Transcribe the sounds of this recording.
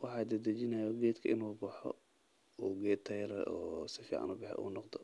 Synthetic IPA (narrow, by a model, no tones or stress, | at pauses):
wɑħɑːd̪ɐd̪ɐt͡ʃɪnɐjɔɡɛːd̪kʰɐʔɪnuːbɑħɔ̰ | uːɡɛːdt̪ʰːɐjɾɛ̰ʔɔːsɪfḭːʕɑ̰nʊbɪħɛ̰ʔṵːnɔqd̪ɔ